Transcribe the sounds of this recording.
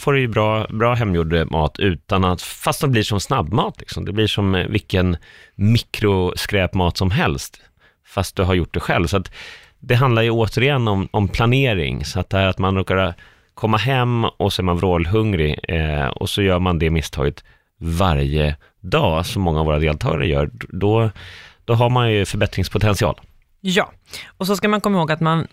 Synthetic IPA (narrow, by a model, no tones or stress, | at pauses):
foːɾɛjəbɾɑːbɾɑːɦɛmːjuːɖəmʔɑːt̪ʰʉ̟ːt̪anat̪fast̪d̪ɛblɪʂɔmsnabːmɑːt̪ʰlɪksɔmd̪ɛblɪʂɔmvɪkːən | mɪkɾʊskɾɛːpmɑːt̪sɔmɦɛlst̪ | fast̪̚d̪ɵɦaɾjʊʈ̚ːd̪ɛɧɛ̰lvsɔat̪ | d̪ɛɦand̪laɾjɵoːt̪ʰəɾɪjɛnːɔmɔmpʰlaneːɾɪ̰ŋsɔat̪̚d̪ɛhæːɾat̪manɾoːkaɾ | kʰɔmːaɦɛmːɔsɔæɾmanvɾoːlɦɵŋɾɪɔ̰sɔjœːɾmand̪ɛmɪst̪ʰɑ̰ːɡət̪ | vaɾjə | d̪ɑːsɔmːɔŋːavoːɾad̪eːlt̪ʰɑ̰ːɡa̰ɾə̰jœ̰ːɾɖɔd̪̥ɔɦaɾmanjɵfœɾbɛt̪ɾɪŋspʰʊt̪ʰɛnsɪɑ̰ːl | jɑː | ɔs̬ɔskamankʰɔmːɪhoːɡat̪man